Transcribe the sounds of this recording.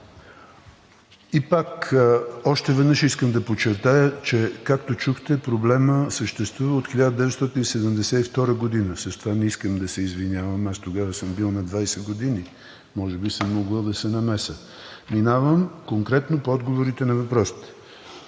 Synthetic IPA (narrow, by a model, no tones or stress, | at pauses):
ipak | ɔʃt̪ɛvɛd̪nəʃiskəmd̪ɐpot͡ʃɛɾt̪ajət͡ʃɛkakt̪ot͡ʃuxt̪ɛpɾoblɛməsəʃt̪ɛst̪vuvəot̪xilʲad̪əd̪ɛvɛt̪st̪ɔt̪inisɛd̪əmd̪ɛsɛift̪ɔɾəɡod̪inəsəst̪ovanɛiskəmd̪ɐsɛizvinʲavəmast̪oɡavəsəmbilˠnɐd̪vajsɛɡod̪ini | mɔʒɛbisəmːoɡˠəd̪ɐsɛnɐmɛsə | minavəmkoŋkɾɛt̪nopoɔd̪ɡovoɾit̪ɛnɐvɐpɾɔsi̥t̪ɛ̥